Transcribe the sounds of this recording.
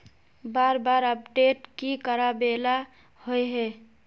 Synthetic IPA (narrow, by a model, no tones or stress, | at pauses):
baɾbaɾəpɖeʈkikəɾabela | hojɦɛ